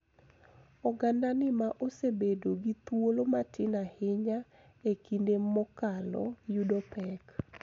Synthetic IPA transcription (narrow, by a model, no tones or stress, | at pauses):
ɔɡandanɪmaʔosebedoɡit̪wolomatɪnahɪɲa | ekindemɔkalɔ̰judɔpɛk